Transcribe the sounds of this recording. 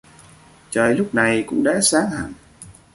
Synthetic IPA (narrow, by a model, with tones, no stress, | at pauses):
t͡ɕəː˨˩jlʊ˦˥k͡p̚na˨˩jkʊ̰˧˥ŋ͡mɗa̰ː˧˥saː˨˦ŋha̰ː˧˨n